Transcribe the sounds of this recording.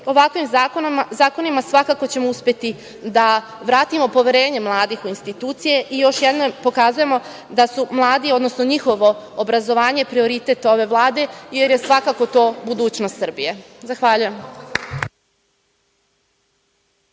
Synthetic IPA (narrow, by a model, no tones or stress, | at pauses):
o̞ʋakʋimkozaːko̞nimasʋakako̞t͡ɕe̞mouspʲjet̪i | d̪a | ʋɾaːt̪imo̞po̞ʋʲjeɾe̞ːɲe̞mlˠaːd̪ixuinst̪it̪uːt̪sije̞ʔijo̞ʃjed̪nopo̞kazuje̞mo̞ | d̪asumlˠaːd̪iod̪no̞snoɲixo̞ʋo̞ːbɾazo̞ʋaːɲe̞ipɾio̞ɾit̪e̞t̪o̞ʋe̞ʋlˠaːd̪e̞je̞ɾje̞sʋakako̞t̪o̞ːbud̪uːt͡ɕnost̪sr̩bije̞zaxʋaʎujem